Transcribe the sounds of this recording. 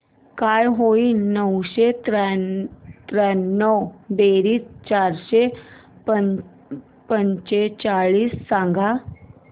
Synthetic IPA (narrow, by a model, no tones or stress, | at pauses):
kajɦoinəwɕet̪ɾ | t̪ɾɛnːəwbeɾiːst͡ɕaɾɕeə | pəɲɕet͡ɕaɭiːsːãŋɡʱa